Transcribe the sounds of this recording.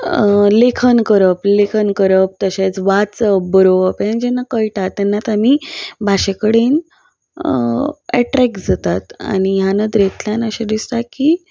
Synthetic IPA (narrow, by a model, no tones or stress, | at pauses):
lekʰənkəɾəplekʰənkəɾəp̚t̪əɕet͡sʋat͡səbəɾoəpẽnd͡ʑenːakəjʈat̪ːɛnːat̪amiːbʱaɕekəɽen | ɛʈɾɛkd͡zʱat̪at̪a̰ɽ̃iɦjanəd̪ɾet̪ljanəɕed̪ist̪akiː